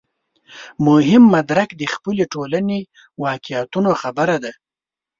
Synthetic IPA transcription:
mʊɦɪmːad̪ɾakd̪əxpəleʈolane | wɑkɪat̪unoxabaɾad̪a

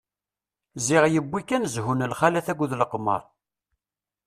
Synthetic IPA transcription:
zɪʁjəbʷːikːænzhunəlχalæθæɡʷðləqmə̰ɾˤ

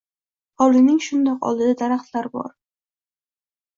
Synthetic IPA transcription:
ɒlˠɪnɪŋʃʊnd̪ɒqɒ̰lˠd̪ɪd̪ad̪aɾaχt̪laɾbɒ̰ɾ

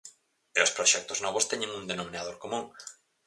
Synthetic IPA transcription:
ɪospɾoʃɛk̚t̪oznɔβ̞ost̪ɛɲẽŋund̪enomĩnað̞oɾkomũŋ

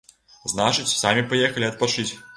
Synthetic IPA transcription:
znat͡ʂɨt͡sʲsamʲipajɛxɐlʲiɐt̪̚pat͡ʂɨt͡sʲ

